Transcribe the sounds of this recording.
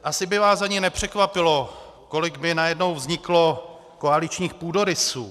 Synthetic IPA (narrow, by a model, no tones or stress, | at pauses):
ʔasɪbɪvaːszaɲɪnɛpr̝̥ɛkvapɪlo̞ | ko̞lɪkmɪnajɛdno̞wvzɲɪklo̞ | ko̞alɪt͡ʃɲiːxpuːdo̞ɾɪsṵː